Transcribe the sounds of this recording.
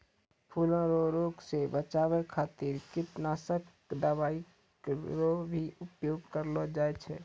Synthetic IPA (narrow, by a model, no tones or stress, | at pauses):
pʰuːlãɾoɾoːɡsebət͡ʃawekʰaːt̪iɾkɪʈnaːsək | d̪əbaːi | ɾobʱiʊpjoːɡkəɾlod͡ʒaːɛt͡ʃʰɛ